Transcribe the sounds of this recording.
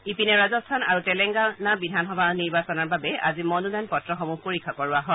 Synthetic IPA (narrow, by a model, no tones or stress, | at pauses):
ipinɛɹazɔstʰana̰ɹutɛlɛŋɡanabidʱanxɔbʱaniɹbasɔnaɹbabɛa̰zimɔnudajnpɔtɹɔxɔmuɡ̚poɹikʰːakɔɹuaɦɔ